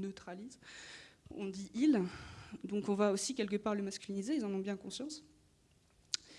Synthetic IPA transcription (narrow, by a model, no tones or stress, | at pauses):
nøt̪χaliz | ɔ̰̃d̪iʔil | d̪ɔ̃kɔ̃vaosikʲɛlkəpaʁləmaskʲylinizeilzɑ̃nɔ̃bjɛ̃kɔ̃sjɑ̃s